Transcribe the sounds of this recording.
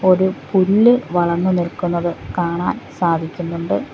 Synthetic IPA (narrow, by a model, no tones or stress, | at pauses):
o̞ɾupuɾɭːɨʋɐɭɐnːunilkunːɐðɨkaːɳaːnsaːd̪ʱikʲːunːuɳɖɨ